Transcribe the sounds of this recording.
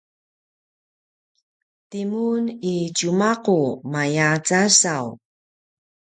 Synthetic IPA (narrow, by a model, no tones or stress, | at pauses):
timunit͡ɕumaqumajat͡sasaw